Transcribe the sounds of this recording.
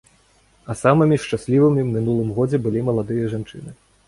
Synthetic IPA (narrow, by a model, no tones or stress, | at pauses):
ɐsamɨmʲiʂt͡ʂasʲlʲivɨmʲimʲinulˠɨmɣɔd͡zʲɛbɨlʲimɐlˠad̪ɨjɐʐant͡ʂɨ̰nɨ